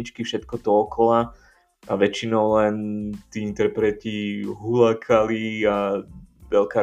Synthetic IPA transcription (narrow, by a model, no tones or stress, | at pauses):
it͡ʃkifʃɛt̪kɔd̪ɔːkɔla | aʋɛt͡ʃinɔʊlɛnt̪iːint̪ɛɾpɾɛt̪iɦulakʰalia | ʋɛlkaː